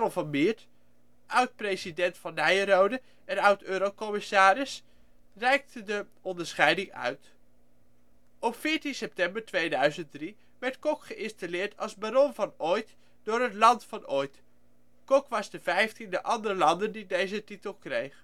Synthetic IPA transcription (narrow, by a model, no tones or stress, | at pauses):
ɔlˠvɑnmɪːɹt | ʔœwt̚prejzidɛntfɑnːɛjəɾowdə | ʔɛnʌwtøːɾokɔmɪsaːɾɪs | rɛjk̚tədə | ɔndəɹsχɛjdɪŋœ̰ɥt | ɔpfɪːɹtinsɛp̚tɛmbəɹtʋejdœɥzəntdri | ʋɛɹtkɔkχəʔɪnstalɪːɹtɑlˠzbaɾɔnvɑnɔjt | d̥ʊːɹɦətlɑntfɑnojt | kɔkʋɑzdəvɛjftindəʔɑndərəlɑndəndidejzətitəlˠkrejχ